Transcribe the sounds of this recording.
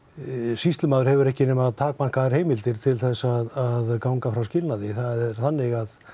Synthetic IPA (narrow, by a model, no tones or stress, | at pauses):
sist̪lʏmaːðʏɾ̥hɛvʏɾɛhcɪnɛmaðt̪ʰaːk̚man̥kʰaðaɾheːjmɪlt̪ɪɾ̥t̪ʰɪlθɛsːaðaðkawŋkafɾawscɪlnaðɪθaðɛɾ̥θanːɪɣað